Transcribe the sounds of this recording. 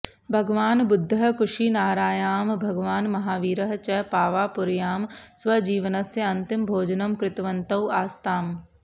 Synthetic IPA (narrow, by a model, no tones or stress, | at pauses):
bʱɐɡʋaːnbʊd̪ʱːɐkʊʃiːnaːɾaːjaːmbʱɐɡʋaːnmɐɦaːʋiːɾɐɦt͡ʃɐpaːʋaːpʊɾjaːmswɐd͡ʒiːʋənɐsjɐɐnt̪ɪmbʱoːd͡ʒɐnɐmkɾɪt̪ʋɐnt̪ɐwaːst̪aːm